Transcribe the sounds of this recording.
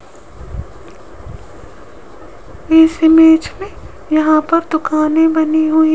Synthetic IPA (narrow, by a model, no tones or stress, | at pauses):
ɪsɪmeːt͡ʃmẽ | jɐɦãpɐɾd̪ʊkaːnẽbɐniɦʊi